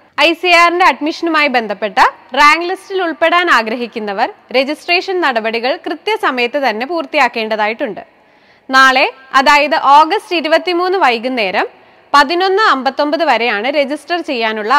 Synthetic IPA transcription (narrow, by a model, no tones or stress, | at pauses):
ɐjsijaːrindeɐɖmiʂɐnumaːjibe̞nd̪ʱɐpːe̞ʈːɐraːŋɡlistiluɭpe̞ɽaːnaːɡɾɐɦikʲːunːɐʋɐrɾe̞d͡ʑisʈreːʂɐnnɐɽɐbɐɽiɣɐɭkrɨt̪jɐsɐmɐjɐt̪ːet̪ɐnːe̞puːrt̪ːijaːkːe̞ːɳɖɐðaːjiʈːuɳɖɨ | naːɭe̞ | ɐðaːjɐðɨʔo̞ːɡɐstiɾubɐt̪ːimuːnːɨʋɐjɣune̞ːɾɐm | pɐðino̞nːɨɐmbɐt̪ːo̞mbɐðɨʋɐɾe̞jaːɳɨɾe̞d͡ʑisʈɐrt͡ɕe̞jːaːnuɭːɐ